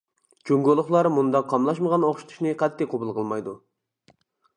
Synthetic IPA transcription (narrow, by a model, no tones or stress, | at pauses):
d͡ʒoŋɡolˠʊχlˠɑɾmund̪ɑqʰːɑmlˠɑʃməʁɑnoχʃi̥t̪ʰu̥ʃnɨqʰɑt̪ʰːɪqobɨlˠqʰəlˠmɑjd̪u